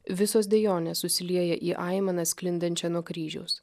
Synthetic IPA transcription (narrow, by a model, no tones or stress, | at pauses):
ʋʲɪsoːs̬d̪ʲɛjoːnʲeːsːʊsʲɪlʲiɛjɛʔiːʔɑˑɪmʲɐnɐsʲkʲlʲɪnd̪ɐnʲt͡ʃʲɛnuɔkɾʲiːʒʲɛ̰ʊs